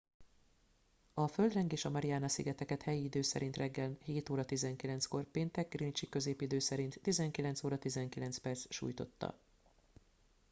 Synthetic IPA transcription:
ɒfø̞ld̪rɛŋɡeːʃɒmɛɾiaːnɒsḭɡɛt̪ɛkɛt̪hɛjiːd̪øːsɛ̰ɾint̪rʔɛɡːɛlnheːt̪oːɾɒt̪izɛŋkilɛnsko̞rpeːnt̪ɛk̚ɡrint͡ʃikø̞zeːpid̪øːsɛɾint̪ːizɛŋkilɛnt̪soːɾɒt̪izɛŋkilɛnspɛrt̪sʃṵːjt̪o̞̰t̪ːɒ̰

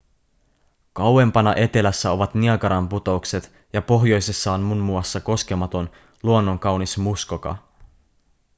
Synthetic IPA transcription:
kɑwwe̞mpɑnɑʔe̞t̪e̞læsːæo̞ʋɑt̪niɑkɑɾɑmput̪o̞ukse̞t̪ | jɑpo̞ɦjo̞jse̞sːɑonmunmuɑsːɑko̞skemɑt̪o̞n | luonːo̞ŋkɑwnismuskokɑ̰

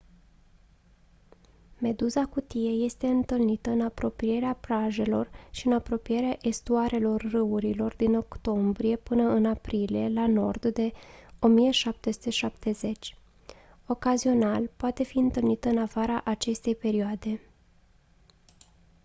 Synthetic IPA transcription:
me̞d̪uzakut̪ije̞je̞st̪e̞ɨnt̪ɨlnit̪əɨnapɾo̞pɾije̞ɾeaplaʒe̞lo̞rʃiɨnapɾo̞pije̞ɾeaʔe̞st̪uaɾe̞lo̞rːɨuɾilo̞rd̪ino̞kt̪o̞mbɾije̞pɨnəɨnapɾilie̞lano̞̰rd̪d̪e̞o̞mijeʃap̚t̪e̞su̥t̪e̞ʃapt̪e̞ze̞t͡ʃʲ | o̞kazio̞nalpoat̪e̞fiɨnt̪ɨlnit̪əɨnafaɾaʔat͡ʃe̞st̪e̞jpe̞ɾioad̪e̞

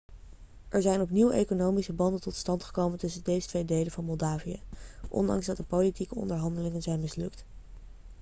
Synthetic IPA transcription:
ʔɛɹzɛjnɔpniwḛjkonowmisəbɑndəntɔtstɑntχə̥kowməntɵsəndejzətʋejdejlənvɑnmɔlˠdaːvijə̰ʔɔ̰ndɑ̰ŋzdɑtdəpowlitikəɔ̰ndəɹɦɑndəlɪŋənzɛjnmɪslɵkt

